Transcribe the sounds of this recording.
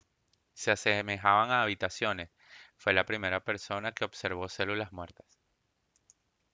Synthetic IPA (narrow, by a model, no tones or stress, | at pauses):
sease̞me̞xaβaŋaːβ̞it̪asjo̞ne̞s | fwe̞lapɾime̞ɾape̞ɾso̞nake̞o̞βse̞ɾβ̞o̞se̞lulazmwe̞ɾt̪ḁs